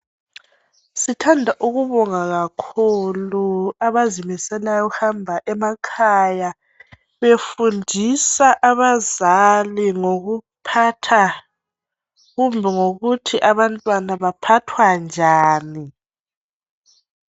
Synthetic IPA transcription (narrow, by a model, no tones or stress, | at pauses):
sitʰandʱaʔuɣuβɔŋaɣakʰuluaβazimisɛlajɔhambʱaʔɛmakʰaja | βefundʱisaʔaβazaliŋoɣupʰatʰa | ɣumbʱɛŋoɣutʰiʔaβantʼwanaβapʰatʰwand͡ʒʱaːni